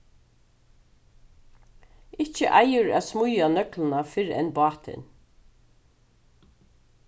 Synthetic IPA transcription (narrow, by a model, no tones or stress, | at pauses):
ɪt͡ʃə̰ʔajʏɹæ̰ːðsmʊjanœklɪnafɪɹɛ̰nbɑːt̪ʰɪ̰n